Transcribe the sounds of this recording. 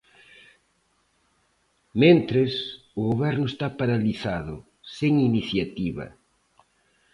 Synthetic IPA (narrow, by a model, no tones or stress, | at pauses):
mẽnt̪ɾes | ʊɣoβɛɾnʊest̪apaɾaliθaðʊ̰ | seŋiniθjat̪iβɐ̰